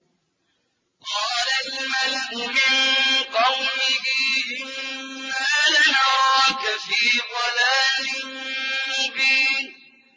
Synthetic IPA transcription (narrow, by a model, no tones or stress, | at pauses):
qɑːlalmalʔʊmɪnqɑwmɪhɪʔɪnːalanaɾˤɑkafiːðˤɑlaːlɪnmʊbiːn